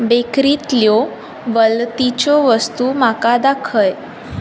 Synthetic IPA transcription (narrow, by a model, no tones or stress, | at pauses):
bekɾit̪ljo | ʋəlt̪it͡ɕoʋəst̪umakad̪akʰəj